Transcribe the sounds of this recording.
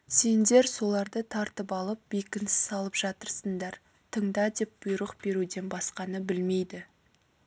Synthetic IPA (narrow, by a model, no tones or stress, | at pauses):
se̞nd̪e̞ɾso̞lˠɑɾd̪ət̪ʰɑɾt̪əpɑlˠəp̚bekʲɪnsɪ̥zɑlˠəpʒ̥ɑt̪əɾsəɴd̪ɑɾ | t̪ʰəɴd̪ɑd̪e̞p̚b̥ʊjɾəqb̥e̞ɾud̪e̞nbɑsqɑnəbɪlme̞jd̪ɪ